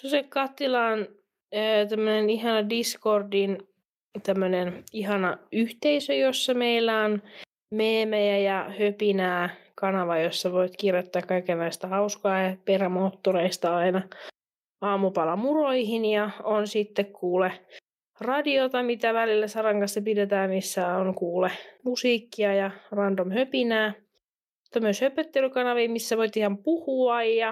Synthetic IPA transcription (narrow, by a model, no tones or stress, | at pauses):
sosekkɑt̪ːilɑːn | øːt̪æmːøneniɦɑnɑdiskordin | t̪æmːøneniɦɑnɑyht̪eisøjosːɑmeilːæon | meːmæjæjɑhøpinæːkɑnɑʋɑjosːɑʋoit̪kirjot̪ːɑːkkɑikenːɑist̪æhɑuskɑːjɑperæmoːt̪ːoɾeist̪ɑɑinɑ | ɑːmupɑlɑmuroihinjɑonsit̪ːekkuːle | rɑdiot̪ɑmit̪æʋælilːæsɑrɑŋkɑnsːɑpidet̪æːmisːæoŋkuːlemusiːkːiɑjɑrɑnd̪omhøpinæː | i̥t̪ːɑmyøshøpøt̪ːelykɑnɑʋiːmisːæʋoit̪ihɑmpuhuɑjjɑ